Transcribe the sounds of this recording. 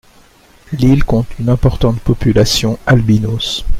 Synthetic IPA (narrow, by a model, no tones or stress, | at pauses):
lilkɔ̃t̪ʰynɛ̃pɔʁt̪ɑ̃t̪pɔpylasjɔ̃albinos